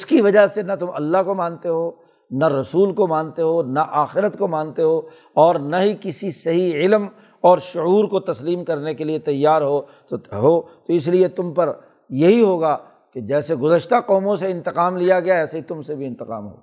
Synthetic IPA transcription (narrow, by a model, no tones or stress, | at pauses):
ʊskiʋɐd͡ʒaɦsenɐt̪ʊmʔɐ̰lːaɦkomãːnt̪eɦoː | naɾɐsuːlkomãːnt̪eɦonaʔaːxɪɾət̪komãːnt̪eɦoː | ɔːɾnaɦikɪsisɐɦiɪlm | ɔːɾʃʊuːɾkot̪ɐsliːmkɐɾnekeliet̪ɐjːaːɾɦot̪oɦoːt̪oɪs̬liet̪ʊmpɐɾ | jɐɦiɦoːɡaː | ked͡ʒɛːseɡʊzəʃt̪aqɔːmõseɪ̃nt̪ɪqaːmlijaɡɐjaɛːseɦit̪ʊmsebʱiɪ̃nt̪ɪqa̰ːmɦo̰ː